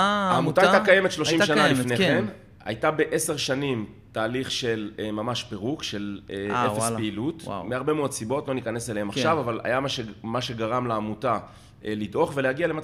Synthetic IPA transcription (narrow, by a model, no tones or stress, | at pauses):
aːmut̪ajt̪akajeme̞tʃloimʃanalifne̞en | a̰jtabe̞ʔe̞se̞ʁʃanim | taːliχʃe̞lmamaʃpeʁukʃe̞leefespeilutwa̰meaʁbe̞meodsibo̞tlo̞nikaneseleemaχʃavavala̰jamaʃemaʃe̞ɡaʁamleamuta | elidʔo̞χve̞lehaɡialema